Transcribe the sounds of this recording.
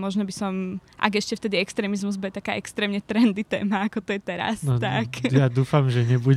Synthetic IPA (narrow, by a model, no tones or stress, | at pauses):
mɔʒnɔbisɔm | ʔa̰ɡɛʃcɛft̪ɛd̪iɛkst̪ɾɛːmizmuzbɔjɛt̪akaːʔɛkst̪ɾɛːmɲɛt̪ɾɛnd̪it̪ɛ̰ːmaːkɔt̪ɔjɛt̪ɛɾa̰snɔt̪akjad̪uːfamʒɛɲɛbu